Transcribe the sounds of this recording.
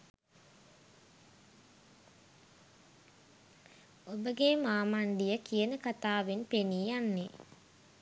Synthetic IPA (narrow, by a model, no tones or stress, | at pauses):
obəɡemaːmanɖijəkijənəkat̪aːʋenpeniːjanːe